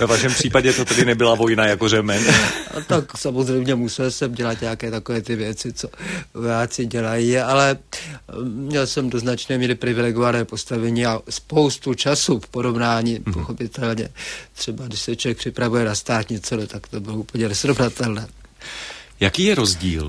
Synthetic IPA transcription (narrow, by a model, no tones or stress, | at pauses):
vɛvaʃɛmpr̥iːpaɟɛt̪ot̪ɛdɪnɛbɪlavo̞jnajakorɛmɛna̰t̪aksamo̞zrɛjmɲɛmusɛlsɛmɟɛlat̪ɲaakɛːt̪ako̞vɛːt̪ɪvjɛt͡sɪt͡so̞ojaːt͡sɪɟɛlajialɛ | mɲɛlsɛmdo̞znat͡ʃnɛːmiːɾɪpɾɪvɪlɛɡovanɛːpo̞st̪avɛɲiːaspo̞wst̪ut͡ʃasufpoɾo̞vnaːɲiːpoxo̞pɪt̪ɛlɲɛt̪r̝̥ɛbadɪʃsɛt͡ʃovjɛk̚pr̥ɪpɾavujɛnast̪aːt̪ɲɛt͡sɛdɛt̪akt̪o̞bɪloupəɲɛnɛsɾovnat̪ɛlnɛː | jakiːjɛɾozɟḭːl